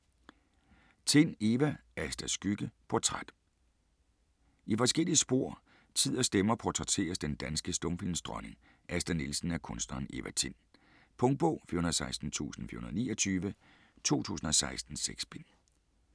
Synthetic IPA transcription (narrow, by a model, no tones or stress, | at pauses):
t͡sʰe̝n̰e̝ʋææsd̥æsɡ̥yɡ̥əpʰɒ̝t͡sʰʁad̥ | ifɒ̽sɡ̥el̰iəsb̥o̝ɐ̰ | t͡sʰið̰ˠɐsd̥emɐpʰɒt͡sʰʁat͡sʰe̝̰ːɐsd̥end̥ænsɡ̥əsd̥ɔ̽mfil̰nsd̥ʁɒne̝ŋ | ʔæsd̥ænilsn̩æɐkʰɔ̽nsd̥nɐːne̝ʋæt͡sʰe̝n̰ | pʰɔ̽ŋ̚b̥ɔ̰ːfḭːɐhunɐðˠsɑ̈ɪsd̥n̩t͡sʰṵːsn̩fiy̰ɐhunɐðˠniːɒt͡sʰyːʋə | t͡sʰo̝̰ːt͡sʰṵːsn̩ɒ̽sɑ̈ɪsd̥n̩seɡ̥sb̥en